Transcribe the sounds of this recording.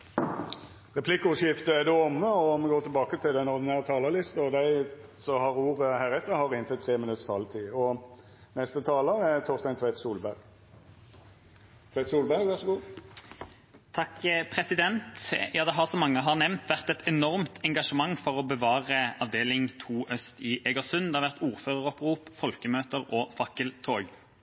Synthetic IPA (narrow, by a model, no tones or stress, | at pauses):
ʁɛpʰlɪkːəʊʂɪft̪əæd̪ɛɔmːəɔmɛɡoːʈ̪ʰɪlbɑːkət̪ʰɪlɛnɔɾd̪ɪnæːʁt̪ʰɑːləlɪst̪əɔd̪æɪsɔhɑʁuːʁəhæːʁɛt̪ːəɾhɑʁɪnt̪ʰət̪ʰːʁeːmɪnʉt̪sfɑ̰lt̪ʰiːɔ | nɛst̪ət̪ʰɑːləɾɛt̪ʰɔʁst̪ɛnt̪ʰʋæɪt̪suːlbæɾɡ | t̪ʰʋæɪt̪suːlbæɾɡʋæʁʂɔɡuː | t̪ʰɑkpʰʁɛsɪd̪ɛnt̪jɑːd̪ɛɦɑʁsɔmɑŋːəɦɑʁnɛʋnt̪ʋæʁt̪ɛt̪ɛnɔʁmt̪ʰɛŋɡɑʂəmɑŋːfɔʁɔbəʋɑːʁəɑʋd̪eːlɪŋt̪ʰuːʔœst̪ɪʔɛɡəʁsʉnd̪ɛɑʁʋæʁt̪uːʁføːʁəʁɔpʁuːpfɔlkəmøːt̪əʁɔfɑkəlt̪ʰoːɡ